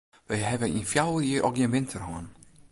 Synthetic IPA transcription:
ʋɛjɦɛvəinfjawəjiəʔɔkjɪnʋɪntʰərhɔːn

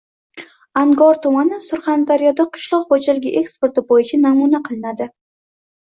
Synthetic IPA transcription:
aŋɡɒɾt̪ʊmanɪsʊɾχɑnd̪aɾijɒd̪aqʰɨ̥ʃlˠɒqχod͡ʒalɪɡʲɪʔe̞kspe̞ɾt̪ɪbojɪt͡ʃʰanamunaqʰɨlˠɪnad̪ɪ

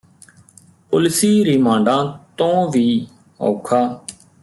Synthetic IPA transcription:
pʊlɪsiːɾimãːɳɖãːt̪õːʋiː | o̰ːkʰaː

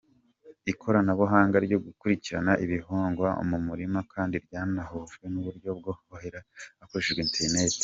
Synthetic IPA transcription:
ikʰo̞ɾanaβoɦaːŋɡaɾɟoɡukuɾiciɾa̰naʔiβiɦoːŋɡwao̰mumuɾimakʰaːndiɾɟaːnahoʒwenuβuɾɟo̞b̚ɡohoheɾaːkoɾeʃeʒɡweːnteɾnete̥

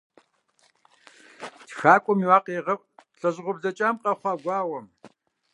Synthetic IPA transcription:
txaːkʷʼʊmiwaːqeːʁɐ | ɬʼɐʑʁʷʊbzɐt͡ʃʼaːmqɐχʷɑːɡʷɑːwɐm

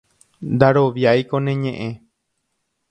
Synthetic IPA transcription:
nd̪aɾo̞ʋjajkonẽ̞ɲẽʔẽ̞

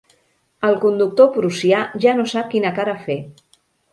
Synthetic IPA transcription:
əlˠkund̪uk̚t̪opɾusiaʒanosap̚kinəkaɾafe

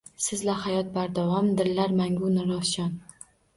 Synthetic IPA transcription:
sɪzlahajɒt̪̚baɾd̪avɒmd̪ɪɾːaɾmaŋɡunɪɾɒfʃɒn

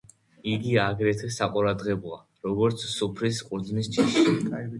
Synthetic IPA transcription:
iɡiaɡɾɛt̪ʰɛsaqʼuɾad̪ʁɛbɔa | ɾɔɡɔɾt̪sʰsupʰɾisqʼuɾd̪znist͡ʃ̪ʰiʃi

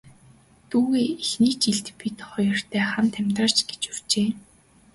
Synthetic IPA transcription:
t̪uːɣeːixniːt͡ɕiɮt̪pit̪χɔjɞ̆r̥t̪ʰæːχamt̪ʰæmʲt̪rə̆ɮt͡ɕɡe̥t͡ɕur̥t͡ɕeː

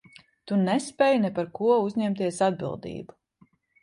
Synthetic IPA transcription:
t̪unɛspɛjnɛpaɾkuɔuzʲɲɛmt̪iɛsad̪̚bḭlˠd̪ḭːbu̥

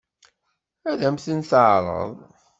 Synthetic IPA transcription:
æðæmθənθʕɾˤə̰ðˤ

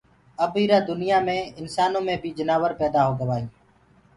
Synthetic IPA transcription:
əbiːɾaːd̪ʊnɪjaːmẽːɪnsaːnõːmẽːbʱiːd͡ʒənaːʋəɾpɛːd̪aːɦoːɡəʋaːĩː

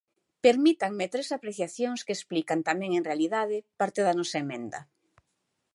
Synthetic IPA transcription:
peɾmit̪aŋmet̪ɾesapɾeθjaθjoŋskesplikant̪amɛ̃ŋẽŋrealiðað̞ɪpaɾt̪eðanɔsaemẽnd̪ɐ̰

